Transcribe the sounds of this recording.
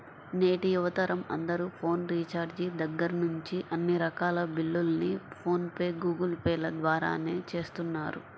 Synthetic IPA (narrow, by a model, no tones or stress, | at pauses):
ne̞ːʈijuʋɐt̪ɐɾɐmɐ̰nd̪ɐɾuːpʰo̞ːnɾiːt͡ʃaːɾd͡ʒiːd̪ɐɡːɐɾɐnuɲt͡ʃiʔɐnːiɾɐkaːlɐbilːulɐnipʰo̞ːnpeːɡuːɡɐlpeːlɐd̪ʋaːɾa̰ːneːt͡ʃe̞ːst̪unːaːɾṵ